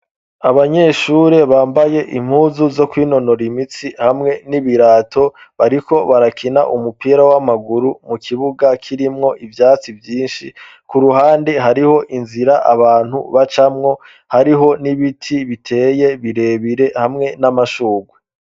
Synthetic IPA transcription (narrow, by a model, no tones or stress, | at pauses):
aβaɲe̞ʃuɾe̞βaːmbaje̞ʔim̥huːzuzo̞kwiːno̞no̞ɾimit͡sihamŋe̞niβiɾaːtʰo̞βaɾiko̞βaɾakʰina̰ʔumupiːɾawamaɡuɾumukʰiβuɡakʰiɾimŋo̞ʔivjaːt͡sivjiːnʃi | kuɾuɦaːndeɦaɾiho̞ʔinziɾaʔaβaːn̥hṵβat͡ʃamŋo̞ | haɾiɦo̞niβitʰiβitʰe̞ːje̞βiɾe̞βiɾe̞hamŋe̞namaʃuːɡwe